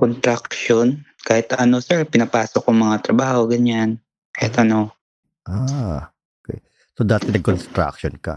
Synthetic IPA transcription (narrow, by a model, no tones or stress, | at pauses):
kont̪ɾak̚ʃon | kaːhɪt̪ɐno̞sɛɹpɪnɐpaːsokːʊŋmɐŋat̪ɾɐbaːho̞ɡɐɲan | kaːhɪt̪ɐno̞ | ʔaː | okɛ̰j | sod̪aːt̪ɛnɐɡ̚konst̪ɾa̰kʃonka̰